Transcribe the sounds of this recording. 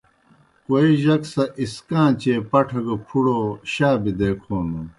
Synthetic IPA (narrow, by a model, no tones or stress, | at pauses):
koiʑɐksɐʔiskãːt͡ɕeːpɐʈʰɐɡɐpʰuɽoɕaːbid̪eːkʰoːnu